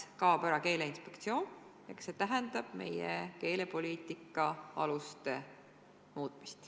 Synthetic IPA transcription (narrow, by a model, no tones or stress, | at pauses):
kɑːbɑɾɑke̞ːle̞inspe̞kt̪sio̞ːn | ɑkɑ̥se̞ːt̪æɦɛnd̪̥ɑb̥̚me̞̰jḛke̞ːle̞po̞liːt̪ˑikːˑɑɑ̰lust̪e̞ | muːt̪ˑmi̥st̪